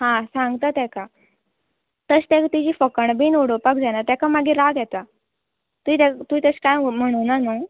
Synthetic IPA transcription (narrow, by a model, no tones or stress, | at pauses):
hãsãŋɡt̪ət̪ɛka | t̪əst̪ɛ̃kt̪id͡ʑiːfəkəɳbiːnuɽopakd͡zanat̪ɛkamaɡiɾaɡjɛt̪a | t̪uit̪et̪uit̪əskajm̤əɽ̃unanu